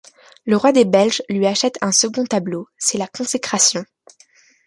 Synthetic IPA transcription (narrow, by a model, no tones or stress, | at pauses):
ləʁwad̪ebɛlʒlɥiaʃɛt̪ʰɛ̃səɡɔ̃t̪ablosɛlakɔ̃sekχasjɔ̃